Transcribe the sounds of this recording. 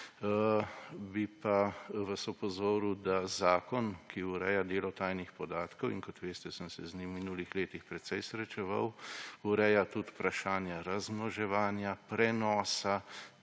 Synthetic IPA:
bipaʋasɔpɔzoːɾud̪azaːkɔnkʰiuɾɛːjad̪eːlɔt̪ajnixpɔd̪aːt̪kɔwḭnkɔt̪ʋeːst̪ɛsənsɛzniminulixleːt̪ixpɾɛt̪sɛjsɾɛt͡ʃɛʋa̰wuɾɛːjat̪ut̪pɾaʃaːnjaɾazmnɔʒɛʋaːnjapɾɛnɔːsa

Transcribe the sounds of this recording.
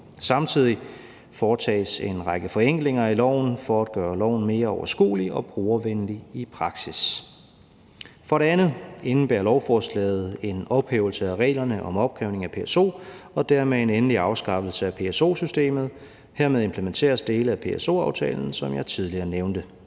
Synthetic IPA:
sɑ̈mt͡sʰið̞̰ˠi | fɒːt͡sʰɛ̰ːse̝nʁɑɡ̥əfɒ̽eŋ̰ɡ̥le̝ŋɐilɒʊ̰n̩fɒæd̥ɡ̥ɶːɐlɒʊ̰n̩me̝ːɐɒʊɐsɡ̥ṵːliɒ̽b̥ʁuːɐʋenliipʰʁɑ̈ɡ̥sis | fɒ̽ɾe̝ænð̩ˠe̝nn̩b̥æɐlɒʊfɒːslɛ̰ːð̞̩ˠe̝nɒ̽b̥hḛːʊl̩səæʁɛ̰ːlɐnəʔɒ̽mɒ̽b̥ɡkʰʁɛʊne̝ŋæpʰe̝eso̝̰ːɒ̽d̥æɐmee̝nenliɑ̈ʊsɡ̥ɑ̈fl̩səæpʰe̝eso̝̰ːsysd̥e̝̰ːmð̞̩ˠ | heɐ̰meðˠe̝mpʰləment͡sʰe̝̰ːɐsd̥e̝ːləæpʰe̝eso̝̰ːɑ̈ʊt͡sʰɛ̰ːln̩sɒ̽mjɑ̈ɪt͡sʰið̞ˠliɐːneʊnd̥ə

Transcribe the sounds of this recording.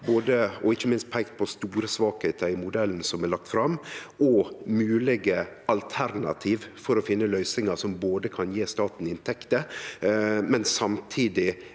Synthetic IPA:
boːd̪əɔɪçːəmɪnst̪̚pʰæɪkt̪̚pʰɔst̪uːɾəsʋɑːkheːt̪ʰəɪmʊd̪ɛln̩sɔmɛlɑk̚t̪fɾɑmɔmʉːlɪɡə | ɑlt̪ʰæɾnɑ̰t̪ʰiːʋfɔɾɔfɪnːəlœʏsɪŋɑɾsɔmboːd̪əkʰɑnjeːst̪ɑːt̪n̩ɪɪnt̪ʰɛkt̪ə | mɛnsɑmt̪ʰiːd̪ɪ

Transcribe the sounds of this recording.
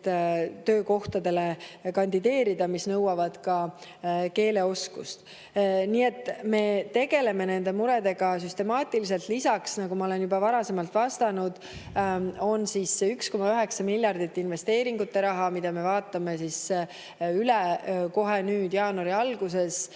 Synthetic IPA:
t̪ø̞ːko̞ht̪ɑd̪e̞le̞kɑnd̪id̪e̞ːɾid̪ɑmisnɤ̞wɑvɑd̪̥kɑ | ke̞ːle̞o̞skṵst̪ | niːe̞t̪ːˑme̞t̪e̞ɡ̥e̞le̞me̞ne̞nd̪e̞muɾe̞d̪e̞ɡ̥ɑsyst̪e̞mɑːt̪ːˑilis̬e̞lt̪lisɑksnɑɡumɑo̞le̞njubɑvɑɾɑse̞mɑlt̪ˑvɑst̪ɑnud̪̥ | o̞nsisyksko̞mɑyɦe̞ksɑmilʲjɑrd̪̥it̪ːˑinve̞st̪e̞ːɾiŋɡut̪ːe̞ɾɑɦɑmid̪̥ɑme̞vɑːt̪ːˑɑme̞sis | yleko̞ɦenyːd̪̥jɑːnuɑɾiɑlɡ̥use̞s

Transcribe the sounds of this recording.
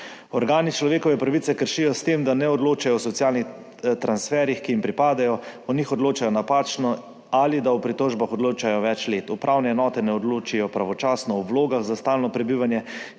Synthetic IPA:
ɔɾɡaːnit͡ʃlɔʋeːkɔʋɛpɾaʋit̪sɛkəɾʃijɔst̪emd̪anɛɔd̪loːt͡ʃajɔwsɔt̪sijaːlnix | t̪ɾansfɛːɾjixkiimpɾipaːd̪ajɔɔnixɔd̪loːt͡ʃajɔnapaːt͡ʃnɔ | alid̪aupɾit̪ɔːʒbaxɔd̪loːt͡ʃajɔʋɛt͡ʃleːt̪upɾʔawnɛɛnɔːt̪ɛnɛɔd̪lot͡ʃijɔpɾaʋɔt͡ʃaːsnɔwʋloːɡaɣzast̪aːlnɔpɾɛbiʋanjɛ

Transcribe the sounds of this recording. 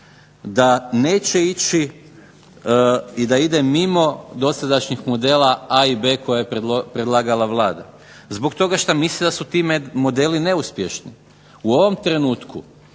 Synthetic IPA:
d̪ane̞ːt͡ɕeit͡ɕi | id̪aid̪e̞mimo̞d̪o̞sad̪aʃɲixmo̞d̪e̞ːlaaibe̞ːko̞jajepɾed̪lˠaːɡalˠaʋlˠaːd̪a | zbo̞kt̪o̞ɡaʃt̪amislid̪asut̪iːmemo̞d̪e̞ːline̞uspʲje̞ʃnḭ | uo̞ʋo̞mt̪ɾe̞nuːt̪ku

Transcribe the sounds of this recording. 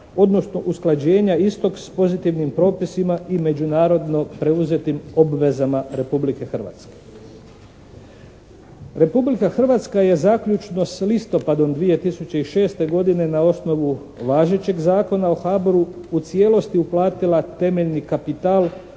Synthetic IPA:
o̞d̪no̞sno̞ʔusklˠad͡ʑe̞ːɲaist̪o̞kspo̞zit̪iʋnimpɾo̞ːpisimaime̞d͡ʑunaːɾo̞d̪no̞pɾe̞uze̞t̪imo̞bʋe̞zamaɾe̞publike̞xr̩ʋa̰t̪ske̞̥ | ɾe̞publikaxr̩ʋat̪skaje̞zakʎut͡ʃno̞slist̪o̞pad̪o̞md̪ʋije̞t̪isut͡ɕe̞iʃe̞ːst̪e̞ɡo̞d̪ine̞nao̞sno̞ʋu | ʋaːʒe̞t͡ɕe̞ɡzaːko̞nao̞xaːboɾuut̪sje̞ːlo̞st̪iuplˠaːt̪ilat̪e̞me̞ʎnikapit̪aːlˠ

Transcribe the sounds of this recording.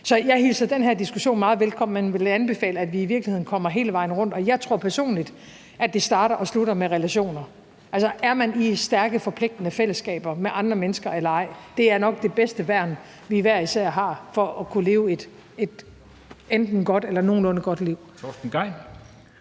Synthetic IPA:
sɒ̽jɑ̈ɪhilsɐd̥enɦæɐd̥isɡ̥uɕo̝̰ːnmɑ̈ːð̩ˠʋelkʰɒ̽m̰enʋe̝lænb̥e̝fɛ̰ːləæd̥ʋiːʋiɐɡ̥lihe̝ð̰ˠnkʰɒ̽m̰ɐɦe̝ːləʋɑ̈ɪ̰nəʁɔ̽n̰d̥ɒ̽jɑ̈ɪt͡sʰʁo̝ɐ̰pʰæɐso̝̰ːnlid̥ | ʔædd̥e̝sd̥ɑ̈ːd̥ɐʔɒ̽sluɾɐmeʁɛlæɕo̝̰ːnɐ | ʔælsɐæɐmænisd̥æɐɡ̥əfɒ̽pʰle̝ɡ̥̚d̥nəfel̰əsɡ̥ɛ̰ːb̥ɐmeʔɑ̈nd̥ʁɐmenəsɡ̥ɐelɐɑ̈ɪ̰d̥e̝æɐnɒ̽ɡ̥̚d̥e̝b̥esd̥əʋæɐ̰n | ʋiːʋæɐ̰isæɐ̰ɦɑ̈fɒ̽ɒkʰule̝ːʊed̥ | e̝d̥ | end̥n̩ɡ̥ɒ̽d̥elɐno̝ːn̩ɔ̽nəɡ̥ɒ̽d̥liʊ̰t͡sʰɔsn̩ɡ̥ɑɪn

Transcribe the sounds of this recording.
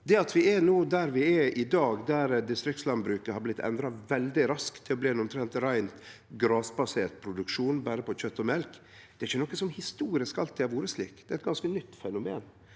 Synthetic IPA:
d̪ɛɑt̪ʰʋɪænuːd̪æɾʋɪɛɪd̪ɑːɡd̪æɾd̪ɪst̪ɾɪk̚t̪slɑnbɾʉːkəhɑɾblɪt̪ːʰɛ̰nd̪ɾɑʋɛld̪ɪɾɑskt̪ʰːɪlɔbliːɛnɔmt̪ʰɾɛnt̪ɾæɪnt̪ | ɡɾɑːsbɑseːɾʈ̪̚pʰɾʊd̪ʉkʂuːnbæːɾəpʰɔçœt̪ːɔmɛlk | d̪̥ɛɾɪçːənɔkːəsɔmhɪst̪uːɾɪskɑlt̪ʰːɪʋuːɾəslḭːkd̪̥ɛæɛt̪̚ɡɑnskənʏt̪ːfɛnʊmḛːn

